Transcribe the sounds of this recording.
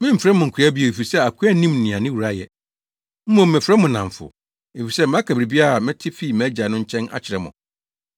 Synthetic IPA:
mɪ̃˦m̩˨fɾɛ˦mʊ̃˨ŋ̩˨kʰɾa˦bi˦ɛ˨e˨fi˨sɛ˦a˨kʰu˦æ˦nĩ˦mnɪ̃˨ã˨nɪ̃˦wu˨ɾa˦jɛ˨ | m̩˦mɔ̃˨m̩ː˨ɛ̃˨fɾɛ˦mʊ̃˨nã˨ɱ˨fʊ̰˨ | e˨fi˨sɛ˦m˨˦ã˦kʰa˨bɾi˨bi˦a˦˨mɪ̃˦tʰɪ˦fi˦˨mæ˦d͡ʑa˨nʊ̃˦ɲ̩˦t͡ɕʰɛ̃˦na̰˦˨t͡ɕʰɪ˨ɾɛ˦mʊ̰̃˨

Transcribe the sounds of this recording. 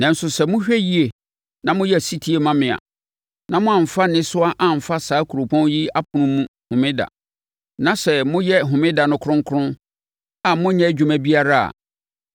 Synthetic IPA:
nɛ̃˨n̩˨sʊ˨sɛ˨mʊ̃˦ɕᶣɛ˦ji˦e˨ | nã˨mʊ̃˦jɛ˦˨si˦tʰi˦e˨mã˦mɪ̃˨a̰˨ | nã˨mʊ̃˦ã˨m̩˨fa˦nɪ̃˦sʊ˦a˦ʔa˨m̩˨fa˦saː˨˦kʰu˨ɾo˨pʰɔ̃˦nji˦a˦pʰʊ̃˨nʊ̃˦mũ˦hʊ̃˨mɪ̃˦da̰˨ | nã˨˦sɛ˨mʊ̃˦jɛ˦ɦʊ̃˨mɪ̃˦da˨nʊ̃˨kʰʊ˦ʊ̃˦ŋ˦kʰʊ˦ʊ̃˦n | a˨mʊ̃˦ɲɛ̃˦d͡ʑᶣu˨mæ̃˦bi˦a˦ɾa˦a̰˨

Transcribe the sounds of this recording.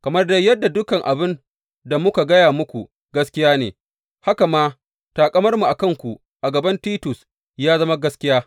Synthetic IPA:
kɐ˨mɐ˦rda˦jjɐ˦dːa˨dʊ˦kɐ˨ŋʔa̰˨bɪ˦n | da˨mʊ˦ka˨ɡɐ˦jaː˨mʊ˦kʷu˨ | ɡɐ˦skʲɪ˦jaː˦nḛː˨ | ha˦ka˨maː˦ | taː˨kʼɐ˦mɐ˦rmu˨ʔa˨kɐ˦˨ŋkʷu˨ | ʔa˨ɡɐ˨bɐ˦ntiː˦tʊ˨s | jaː˦zɐ˦ma˦ɡɐ˦skʲɪ˦jaː˦

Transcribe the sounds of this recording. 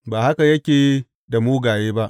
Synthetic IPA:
baː˨ha˦ka˨jɐ˦kʲeː˨˦ | da˨moː˦ɡaː˨jeː˦ba˦ʔ

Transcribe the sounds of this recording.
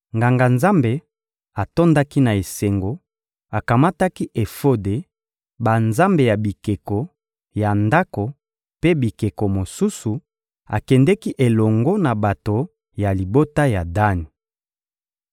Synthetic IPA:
ŋɡa˨ŋɡa˨nza˦mbe˨ | a˨to˦nda˦ki˦na˨e˨se˨ŋɡo˨ | a˨ka˨ma˦ta˦ki˦ʔe˨fo˦de˨ | ba˨nza˦mbe˨ja˨bi˨ke˨ko˨ | ja˨nda˦ko˨ | pe˦bi˨ke˨ko˨mo˨su˦su˨ | a̰˨kɛ˨ndɛ˦ki˦ʔe˨lɔ˨ŋɡo˦na˨ba˨to˨ | ja˨li˨bo˦ta˦ja˨da˦ni˨

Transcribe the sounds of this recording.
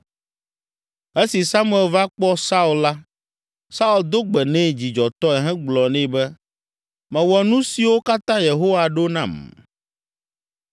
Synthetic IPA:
e˦si˨sa˦mũ˦˨ɛ˨lva˦k͡pɔ˦sa˦u˨lla˦ | sa˦u˨ld̪o˦ɡ͡bɛ˨nɛ̃˦d͡ʑi˨d͡ʒɔ˨t̪ɔ˦ɛ˨ɦɛ̃˦ɡ͡blɔ˨nɛ̃˦˨bɛ˦ | mɛ̃˨wɔ˨nũ˦si˨wo˦ka˦t̪ã˦je˨ɦo˦wa˨ɖo˦nã̰˨m

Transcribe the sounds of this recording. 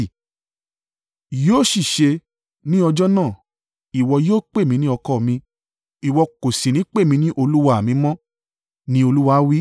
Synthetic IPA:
joː˦˨ʃi˦˨ʃe˧ | nĩ˦ɔ˧d͡ʒɔ˦nãː˦˨ | i˨wɔ˧joː˦k͡pe˦˨mĩ˧nĩ˦ɔ˧kɔ˦˨mĩ˧ | i˨wɔ˧ko˨sĩ˨nĩ˨˦k͡pe˦˨mĩ˧nĩ˦ʔo˧lu˦wa˧˦a˨mĩ˧˦mɔ̃˦ | nĩ˧˦o˧lu˦wa˧˦wi˦

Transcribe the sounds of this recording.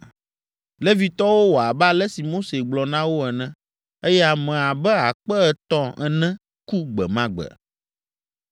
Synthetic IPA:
lɛ˦vi˨t̪ɔ˦wo˦wo˨a˨ba˦lɛ˦si˨mo˦se˨ɡ͡blɔ˨nã˦wo˦ɛ˨nɛ̃˦ | e˦jɛ˦a˨mɛ̃˨a˨bɛ˦a˨k͡pɛ˦ɛ˨t̪ɔ̃˦ɛ˨nɛ̃˦ | ku˦ɡ͡bɛ̰˨mã˦ɡ͡bɛ̰˨

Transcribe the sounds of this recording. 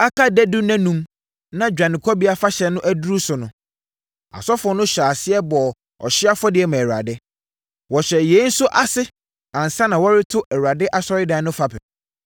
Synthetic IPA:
a˦kʰa˦dæ˦du˦næ̃˦nũ˦m | nã˦d͡ʑᶣã˨nɪ̃˨kʰɔ˦bi˦a˦fa˦ɕɛ˨nʊ̃˦ʔæ˦du˦ɾu˦sʊ˨nʊ̃˦ | a̰˨sɔ˦fɔ˦nʊ̃˦ɕᶣaː˨sɪ˦ɛ˦bɔ˨ | ɔ̰˨ɕɪ˦a˦fɔ˦dɪ˨ɛ˨mã˨ɾa̰˨dɪ˦ | wɔ˨ɕᶣɛ˨je˨˦n̩˦sʊ˦ʔa˨sɪ˦ | ã˨n˨sã˦nã˨wɔ˦ɾɪ˦tʰʊ˦ʔɛ˨ɾa˨dɪ˦ʔa˨sɔ˦ɾɪ˦dã˨˦nʊ̃˦fa˦pʰɛ˨

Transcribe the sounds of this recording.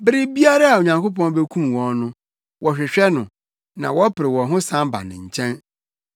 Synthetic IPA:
bɪ˦ɾɪ˦bi˦a˦ɾa˦a˨o˨ɲã˨ŋko˦pɔ̃˦n˦bɛ˦kʰũ˦mwɔ̃˨nnʊ̃˦ | wʔɔ˨ɕᶣɪ˨ɕᶣɛ˦nʊ̃˨ | nã̰˨wɔ˦pʰɪ˨ɾɪ˨wɔ̃˨ɦʊ̃˦sã˦mba̰˨nɪ̰̃˨ɲ̩˨t͡ɕʰɛ̃˦n

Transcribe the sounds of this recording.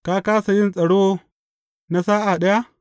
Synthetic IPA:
kaː˦kaː˦sa˨jɪ˦nsʼɐ˨ɽoː˦ | na˦saː˦ʔa˨ɗɐ˦ja˦

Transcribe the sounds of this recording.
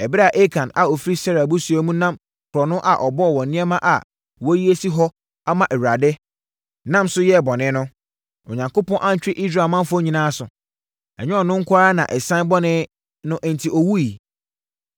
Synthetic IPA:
ɛ˨bɪ˦a˨ʔe˦kʰã˨na̰˨o˨fɾi˦sɛ˦ɾa˨bʊ˦su˨a˦mũ˦nã˦m | kʰʊ˨ɾɔ˨nʊ̃˦ʔa˨ʔɔ˨bɔ˦ɔ˨wɔ̃˨nnɪ̃˦ɛ˦mã˦ʔa˨ | wɔ˦ji˦e˦si˦ɦɔ˦ | a˦mã˨ʔɛ˨wɥɾa˨dɪ˦ | nã˦msʊ˦jɛ˦˨bɔ˨nɪ̃˦nʊ̃˦ | ɔ˨ɲã˨ŋkʊ˦pɔ̃˦ʔã˦ɲ̩˨t͡ɕᶣɪ˦ʔi˦s̬ɾaː˨mã˦fɔ˦ɲĩ˨nãː˦sʊ˨ | ɛ˨ɲɛ̃˦ɔ˨nʊ̃˦ŋ̩˦kʰʷa˦ɾa˦nã̰˨ʔɛ˨sã˦n˦bɔ˦nɪ̃˦ | nʊ̃˦ʔɛ̃˨n˨tʰi˨ɔ˨wu˦i˨

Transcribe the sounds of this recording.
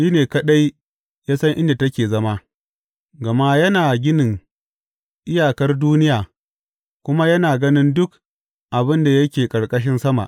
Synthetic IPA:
ʃiː˦neː˨kɐ˦ɗa˦j | jaː˦sɐ˦ŋʔɪ̰˦nda˨tɐ˦kʲeː˨zɐ˦ma˦ | ɡɐ˨ma˦jɐ˦naː˨ɡʲɪ˦nɪ˨ŋ | ʔɪ˦jaː˨kɐ˦rduː˦nɪ˦jaː˨ | kʷʊ˦ma˦jɐ˦naː˨ɡɐ˦nɪ˦ndʊ˦k | ʔa˨bɪ˦nda˨jɐ˦kʲeː˨kʼɐ˨ɽkʼɐ˦ʃ̬ɪ˦nsɐ˦ma̰˨ʔ

